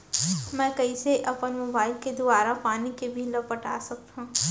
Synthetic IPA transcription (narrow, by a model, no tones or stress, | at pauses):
mɛ̃ːkɐiseʔɐpənmoːbaːɪlked̪oaːɾapaːnikebʱilɐbpɐʈa̰ːsɐk̚t̪ɦũː